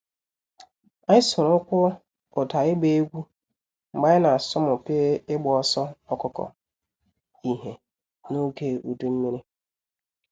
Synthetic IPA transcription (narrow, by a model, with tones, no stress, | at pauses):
a˦ɪ˦sʊ˨ɾʊ˦kʷʊ˦ | ʊ˨ta˨ɪ˦ɡ͡be˦e˦ɡʷu˦ | m̩˨ɡ͡ba˦ɪ˦na˨sɔ˦mʊ˨keː˦ɪ˦ɡ͡bɔ˨ɔ˦sɔ˦ɔ˨kʊ˨kɔ̰˨ | i˨ɦe˨ | no˦ɡe˦u˨du˦m̩˦mi˦ɾi˦